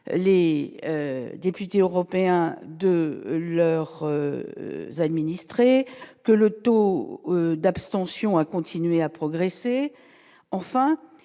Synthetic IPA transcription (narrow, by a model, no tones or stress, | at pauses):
le | d̪epyt̪eøʁɔpeɛ̃d̪əlœʁ̰ | zad̪minist̪χekələt̪o | d̪apst̪ɑ̃sjɔ̃akɔ̃t̪ʰinɥeapχɔɡʁese | ɑ̃fɛ̃